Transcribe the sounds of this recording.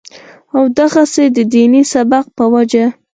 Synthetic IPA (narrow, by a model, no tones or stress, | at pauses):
awd̪aɣased̪əd̪inisabaq̚pəwad͡ʒa